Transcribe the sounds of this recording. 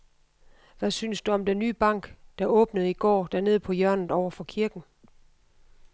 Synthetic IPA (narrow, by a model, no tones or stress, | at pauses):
ʋæsyːnsd̥uɒ̽md̥enːyːb̥ɑ̈ŋ̰ɡ̥d̥ɑ̈ɔ̽ːb̥nəð̞̩ˠiɡ̥ɒ̰ːd̥æɐne̝ð̰ˠpʰɒ̽jɶɐnð̩ˠɒʊɐfɒ̽kʰiɐɡ̥n̩